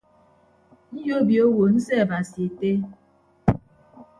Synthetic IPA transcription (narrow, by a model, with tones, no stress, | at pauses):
n̩˦jo˦bjo˦wo˨n̩˦sɛ˦a˨ba˨si˨e˨te˦